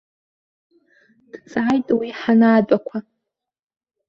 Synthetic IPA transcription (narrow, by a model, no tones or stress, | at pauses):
d̥t͡sʼajtʼwiħanaːbʼakʷʰa